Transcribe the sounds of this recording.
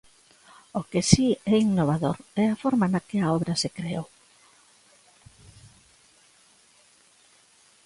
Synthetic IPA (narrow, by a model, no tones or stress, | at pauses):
okesiɛinnːoβ̞aðoɾɛafɔɾmanakeaɔβɾasekɾeo